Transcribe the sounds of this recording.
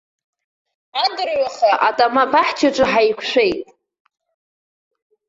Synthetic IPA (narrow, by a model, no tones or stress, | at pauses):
adɨrɥaχaʔatʼamabaħt͡ʃʰaʈ͡ʂʼɨħajkʷʰʂʷejtʼ